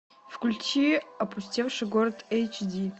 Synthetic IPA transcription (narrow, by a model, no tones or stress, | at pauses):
fkʷulʲtʰiapʰʼusʲtʲelʂaɡoradejt͡ʃʰdi